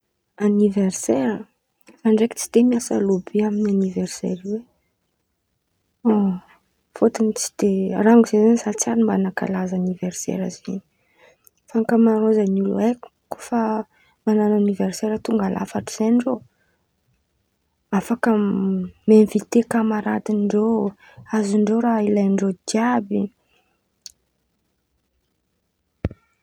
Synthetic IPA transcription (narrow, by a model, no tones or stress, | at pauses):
aniversɛɾə | aɳɖ͡ʐeki̥t͡si̥d̪̥emiasa̰lubiaminanivɛrsɛ̰ɾiwe | o | fot̪init͡si̥d̪̥eraŋɡuzezanisat͡saɾimbanaka̰lazanivɛrsɛ̰ɾə̰zeni̥ | faŋkəmaɾozanulṵek | ku̥fə | mananauniverseɾət̪uŋɡalʔa̰faʈ͡ʂiz̥ejɳɖ͡ʐo | afakə | menvit̪ekamaɾa̰d̪iɳɖ͡ʐo | aziɳɖ͡ʐoɾailajɳɖ͡ʐod̪jabi